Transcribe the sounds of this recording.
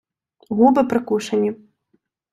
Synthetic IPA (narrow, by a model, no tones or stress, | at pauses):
ɣubɨpɾɨkuʂɐnʲːi